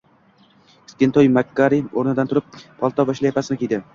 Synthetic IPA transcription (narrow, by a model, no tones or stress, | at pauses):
skʲent̪ʰojmakːaɾioɾnɪd̪ant̪ʰʊɾɪp̚ːʰɒlˠt̪ʰɒbaʃlajepʰasɪnɪkʲʰejd̪ɪ